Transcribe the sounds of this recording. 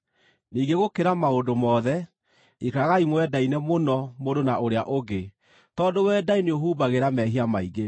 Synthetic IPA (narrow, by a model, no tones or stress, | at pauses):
niːɡeɣokeɾamaondomɔːðɛ | ikaɣaimwɛdainɛmonɔmodonaoɾeaʔoɡe | tɔdowɛdaineoɦuːbaɣeɾamɛɦiamaiɡe